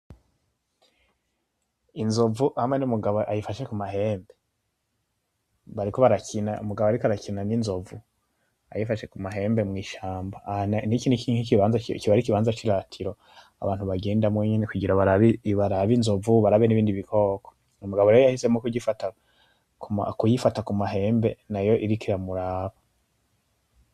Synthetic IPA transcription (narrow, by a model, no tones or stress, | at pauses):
inzo̞vuhamwenumuɡaβoʔajifaʃe̞kumaɦe̞ːmbe̞ | βaɾikoβaɾakinaṵmuɡaβoaɾikoaɾakinaninzo̞vu | a̰jifaʃe̞kumaɦe̞ːmbe̞mŋiːʃaːmbannikinikʰiɲikiβaːnzakiβaɾikiβaːnzat͡ʃiɾatʰiɾo̞ | a̰βaːn̥huβaɡe̞ːndamweɲene̞kuɟiɾaβaɾaβiβaɾaβinzo̞vuβaɾaβeniβiːndiβikʰoːkʰo̥ | umuɡaβo̞ɾejojahise̞mokuɟifata | kuma̰kujifatakumaɦe̞ːmbe̞najo̞ʔiɾikʰiɾamuɾaːβa